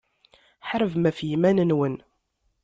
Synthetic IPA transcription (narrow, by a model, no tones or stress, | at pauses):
ħɾəvmæfjimænənwən